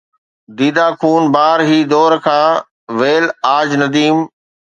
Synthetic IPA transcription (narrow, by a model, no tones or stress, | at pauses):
d̪iːd̪aːkʰuːnbaːɾɦiːd̪ɔːɾkʰãː | ʋeːlaːd͡ʑnɐd̪iːm